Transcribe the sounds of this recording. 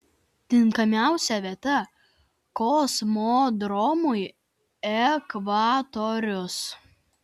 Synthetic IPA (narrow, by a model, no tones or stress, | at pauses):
t̪ʲɪŋkɐmʲæˑʊsʲɛʋʲiɛt̪ɐ | kɔsmoːd̪ɾɔmʊj | ɛkʋaːt̪ɔɾʲʊs